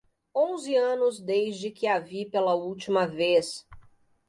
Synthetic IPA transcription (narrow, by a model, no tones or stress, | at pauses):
õzɪɐ̃nʊzd̪ezd͡ʒɪkɪavipelɐuwt͡ʃimɐves